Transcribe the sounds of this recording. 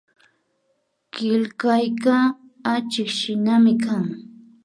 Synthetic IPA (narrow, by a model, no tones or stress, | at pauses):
kɪlkajka | at͡ʃɪkʃɪnamɪkʰaŋ